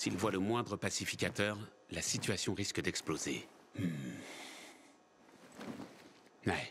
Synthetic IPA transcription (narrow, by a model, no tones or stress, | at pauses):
silvwaləmwɛ̃d̪ʁəpasifikʲat̪œʁ | lasit̪ɥasjɔ̃ʁiskəd̪ɛksploze | m̩ | nɛ